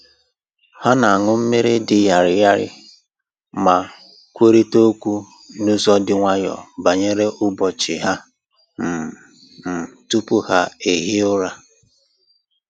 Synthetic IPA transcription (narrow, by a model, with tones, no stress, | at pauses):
ha˦na˨a˨ŋʊ˦m̩˦me˦ɾɪ˦dɪ˨ja˨ɾɪ˨ja˦ɾɪ̰˦ | ma˨ | kʷe˦ɾi˦to˦kʷu˦ | nʊ˦zɔ˦dɪ˦ŋʷa˦ɲɔ̰˨ba˨ɲe˦ɾe˦ʔʊ˦bɔ˨t͡ʃɪ˨ɦa˦ | m̩˨ | m̩˨tu˦pʊ˦ha˦e˨ɦi˦ʊ˦ɾa˦